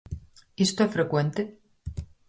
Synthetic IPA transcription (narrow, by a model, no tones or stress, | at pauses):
ist̪oefɾekwent̪e